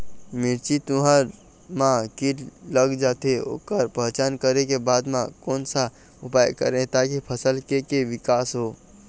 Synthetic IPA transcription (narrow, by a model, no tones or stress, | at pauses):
mɪɾt͡ʃit̪uɦaɾ | mãkiləɡd͡ʒaːt̪eo̰kəɾpəɦt͡ʃaːnkəɾekebaːd̪mãkoːnsa | ʊpaːjkə̰ɾẽt̪akipʰəsəlkekeʋɪkaːsɦo